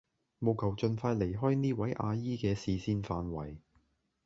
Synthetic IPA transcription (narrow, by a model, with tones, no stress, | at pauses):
mo˨˧wkʰɐ˨˩wt͡ʃɵ˧nfaː˧jle˨˩jɦɔː˥jniː˥wɐ˨˥jʔaː˧jiː˥kɛː˧siː˨˧siː˥nfaː˧nwɐ̰˨˩j